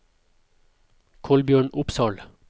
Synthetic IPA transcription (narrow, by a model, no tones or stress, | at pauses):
kʰɔlbjøːɳʊpsɑːɭ